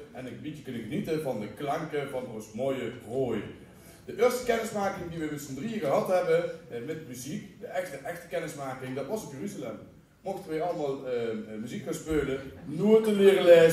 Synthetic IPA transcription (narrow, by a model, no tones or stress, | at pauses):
ʔɛnɪkʋitjəkɵnəɣənitəvɑndəklɑŋkəvɑnonsmojəroːjə̰ | dəʔɪːstəkɛnɪsmaːkɪŋdiʋəmɪsəndriəɣəɦɑtɦɛbəmɛtmyzikdəɛxstəʔɛxtə̥kɛnɪsmaːkɪŋdɑtʋɑsopjəryzalɛm | moxtəʋəɑləmaːlˠmyzikfanspøːlənuətəlɪːrəleːz